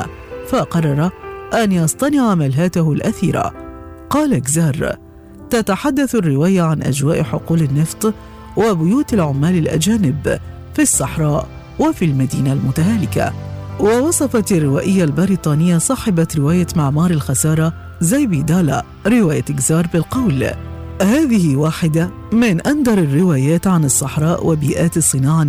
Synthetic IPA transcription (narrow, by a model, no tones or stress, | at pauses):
faqɑrˤːɑɾˤɑʔanjɑsˤt̪ˤɑnɪʕmalɦaːt̪ahʊlʔaθiːɾa̰ | qɑːlaɡzɑːɾˤ | t̪at̪aħad̪ːaθarːɪwaːjaʕanʔa̰d͡ʒwaːʔħʊquːlanːɨft̪ˤ | wabʊjuːt̪alʕʊmːaːlɪlʔa̰d͡ʒaːnɪb | fisˤːɑħɾˤɑːʔ | wafilmad̪iːnalmʊt̪aɦaːlɪka̰wɑwɑsˤɑfɑt̪arˤːɪwaːʔɪjːalbɑɾit̪ˤɑːnɪjːasˤɑːħɪbat̪ɾɪwaːjat̪maʕmɑːɾˤɪlxasɑːɾˤɑ | zajbid̪aːla | ɾɪwaːjat̪ɪɡzɑːɾˤbɪlqɑwlhaːðɪhɪwaːħɪd̪a | mɪnʔand̪ɑɾˤɑrːɪwaːjaːt̪ʕanɑsˤːɑħɾˤɑːʔwʔabiːʔaːt̪ɑsˤːɨnɑːʕa